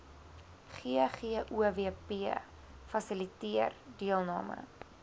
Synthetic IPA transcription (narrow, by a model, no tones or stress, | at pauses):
χiχiəʔuvepiə | fɐsəlitiərdiəlˠnɑ̰ːmə̰